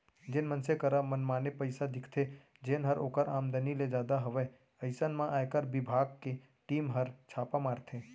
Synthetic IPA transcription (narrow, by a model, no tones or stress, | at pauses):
d͡ʒɪnmənsekəɾamənmaːnepəɪsad̪ɪkʰt̪ʰe | d͡ʒeːnɦəɾoːkəɾaːmd̪əniled͡ʒjaːd̪aɦɐʋɛ | əɪsənmãʔaːjkəɾbɪbʱaːɡke | ʈiːmɦəɾt͡ʃʰaːpamaːɾt̪ʰẽː